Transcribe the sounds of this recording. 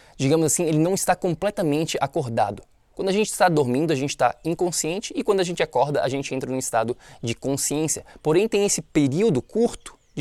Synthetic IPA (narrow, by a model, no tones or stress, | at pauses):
d͡ʒiɡɐ̃mʊzasĩelɪnɐ̃w̃ɪst̪akõmplɛt̪ɐmẽnt͡ʃɪʔakoɾd̪a̰d̪ʊ | kwɐ̃d̪ʊɐaʒẽnt͡ʃɪ̥st̪ad̪oɾmĩnd̪ʊɐʒẽnt͡ʃɪ̥t̪a̰ĩŋkõsiẽnt͡ʃɪɪkwɐ̃d̪ʊɐʒẽnt͡ʃɪakɔɾd̪ɐʔa̰ʒẽnt͡ʃɪẽnt̪ɾɐnʊ̃ist̪ad̪ʊd͡ʒɪkõsiẽsjɐpoɾẽj̃t̪ẽj̃esɪpeɾiwd̪ʊkuɾt̪ʊ̥